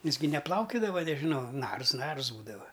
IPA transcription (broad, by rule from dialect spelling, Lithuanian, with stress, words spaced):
ˈjɪs ɡʲɪ nʲɛˈplˠɐʊkʲʊdɐʋɐ nʲɛʒʲɪˈnɐʊ ˈnɐrs ˈnɐrs ˈbuːdɐʋɐ